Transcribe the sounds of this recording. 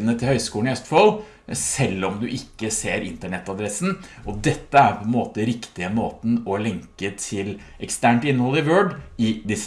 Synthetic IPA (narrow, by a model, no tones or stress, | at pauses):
nət̪ʰɪlhœʏskuːɳnɪœst̪fɔl | sɛlːɔmd̪ʉʔɪkːəseːɾɪ̰nt̪əɳɛt̪ːɑd̪ɾɛsn̩ʔɔd̪ɛt̪ːəæɾpʰɔɛnmoːt̪əɾɪkt̪ɪəmoːt̪n̩ɔlɛŋkət̪ʰɪl | ʔɛkst̪æːɳʈɪnːəhɔlːɪʋøːɖɪd̪ɪs